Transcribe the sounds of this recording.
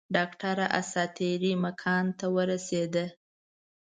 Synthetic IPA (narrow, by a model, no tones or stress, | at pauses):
ɖɑkʈaɾaʔa̰sɑt̪eɾimakʰɑnt̪awəɾased̪ə